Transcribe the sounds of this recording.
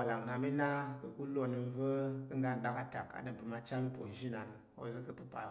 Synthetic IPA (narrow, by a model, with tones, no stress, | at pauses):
a˨la˨ŋna˧mi˦na˦bə̰˨ku˦lo˦˧nə˧˦və˦kə˦ŋɡa˦˨n˨ɗa˦ka˦ta˨ka̰˨ɗə˨pɨ˨ma˧t͡ʃa˦lə˦po˨n̩˨ʒi˦na˨n | o̰˦zə˦kə˦pɨ˦pa˨